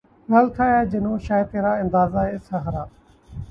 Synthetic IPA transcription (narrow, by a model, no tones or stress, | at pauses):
ɡɐlt̪ʰaːaːd͡ʑɪnõʃaːjt̪eːɾaːɪ̃nd̪aːzaesɐɦɾaː